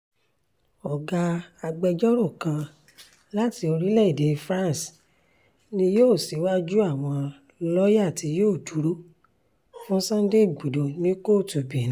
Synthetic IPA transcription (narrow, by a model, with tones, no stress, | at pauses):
ɔ˨ɡa˧a˧ɡ͡bɛ˧d͡ʒɔ˦ɾo˦˨kã˧ | la˦ti˧o˧ɾi˦lɛ˦i˦˨de˨˧fɾã˦n˨s | nĩ˧joː˦˨si˨˦wa˦d͡ʒu˦a˦˨w̃ɔ̃˧ | lɔ˦ja˦˨ti˧joː˦˨du˨˦ɾo˦ | fũ˦sã˦de˦i˦˨ɡ͡bu˨do˨nĩ˦ko˦˨tu˨bi˨ñ˨˦